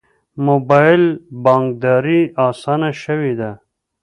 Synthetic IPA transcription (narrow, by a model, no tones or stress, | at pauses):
mobɑɪlbɑŋk̚d̪ɑɾiɑːsɑnaʃəwed̪a